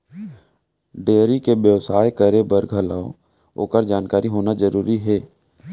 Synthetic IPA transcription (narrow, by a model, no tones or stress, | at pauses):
ɖeːɾikebjəʋsaːekəɾebəɾɡʱəlaːo | o̰ːkəɾd͡ʒaːnkaːɾiɦoːnad͡ʒəɾuːɾiɦɛː